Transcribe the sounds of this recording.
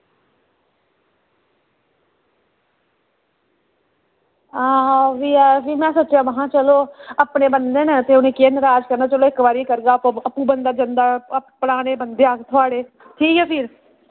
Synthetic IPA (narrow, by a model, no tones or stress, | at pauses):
aːʋiːapimɛ̃ːsot͡ʃãːʋəɦãːt͡ʃəloːəpɳeːbənd̪eːnet̪eːʊneːkeːnɾaːd͡ʒkəɾnaːt͡ʃəloːɪkʋaːɾikəɾɡaːpəpːũːbənd̪aːd͡ʒənd̪aːəpɽaːneːbənd̪eːaːkt̪ʰʊaːɽeː | ʈʰiːkɛːpʰɪːɾ